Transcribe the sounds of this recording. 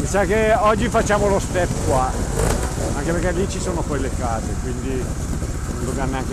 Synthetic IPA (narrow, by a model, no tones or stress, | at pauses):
misakeɔd͡ʒːifat͡ʃːaːmolost̪ɛpːkwa | aŋkepeɾkːelːit͡ʃisoːnopɔjlekaːzekwind̪i | nond̪ovjanːeaŋke